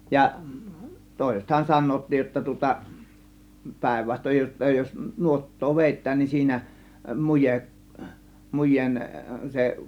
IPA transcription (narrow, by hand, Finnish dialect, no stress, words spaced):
jɑ toˑe̝sethɑn sɑnˑoːtːij jotːɑ tŭŏtɑ pæˑe̝ʋːɑstoj jotːɑ jos nuotːoː ʋeˑitːæːn niːn siːnæ mujeʔ mujˑeːn se